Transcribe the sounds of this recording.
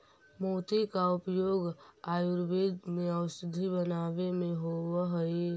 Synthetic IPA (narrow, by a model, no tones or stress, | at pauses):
moːt̪ikaʊpjoːɡaːjʊɾbeːd̪mẽəʊsɪd̪ʱibənaːʋemẽɦoaɦəe